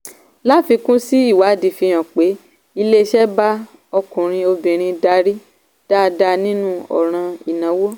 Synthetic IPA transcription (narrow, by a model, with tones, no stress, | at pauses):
la˦fi˧kũ˦si˦i˦˨wa˨˦di˨fi˧j̃ã˨k͡pe˨˦ | i˧le˦˧ʃɛ˦ba˦ | ɔ˧kũ˨ɾ̃ĩ˧o˧bĩ˨ɾ̃ĩ˧da˧ɾi˦ | d̥a˦˧˨da˧nĩ˦nũ˦ɔ̰˨ɾ̃ã˧i˨nã˨˦wo˦